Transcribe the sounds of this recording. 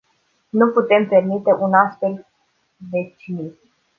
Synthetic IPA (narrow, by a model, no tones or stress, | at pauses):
nuput̪e̞mpe̞rmit̪e̞ʔunast̪fe̞l | d̪e̞t͡ʃinit̪